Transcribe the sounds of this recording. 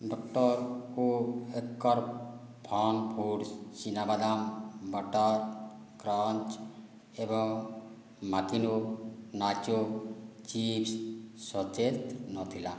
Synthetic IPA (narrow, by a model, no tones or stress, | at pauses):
ɖɔk̚ʈɔɾkoekːɔɾ | pʰɔnpʰuɽsinabad̪ambɔʈɔɾ | kɾɔnt͡ʃ | ebɔŋ | makinunat͡ʃot͡ʃipssɔt̪et̪nɔt̪ʰila